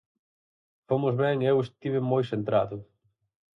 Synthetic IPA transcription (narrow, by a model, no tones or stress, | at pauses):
fomʊzβɛŋewest̪iβɪmojsent̪ɾaðʊ